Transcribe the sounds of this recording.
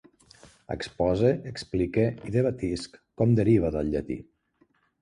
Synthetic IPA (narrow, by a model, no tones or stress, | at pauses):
ə̰kspɔzeəksplikeiðəβat̪iskkɔmd̪əɾiβ̞əðəlˠʎət̪ḭ